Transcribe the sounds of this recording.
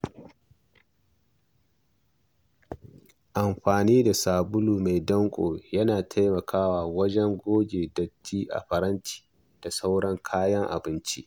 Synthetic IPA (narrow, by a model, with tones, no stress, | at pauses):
ʔa˨mɸaː˨niː˦da˨saː˨bʊ˦luː˨ma˨jdɐ˦ŋkʷʼo̰ː˨jɐ˦naː˨tʰa˦jmɐ˨kʰaː˦waː˨wɐ˦d͡ʒɛ˦ŋɡʷoː˦ɡʲeː˨dɐ˨tːiː˦ʔa̰˨ɸɐ˨ɾɐ˦nt͡ʃi̥ː˨ | d̥a˨sa˦wɽɐ˦ŋkʰaː˦jɐ˦ŋʔa̰˨bɪ˦nt͡ʃi˦ʔ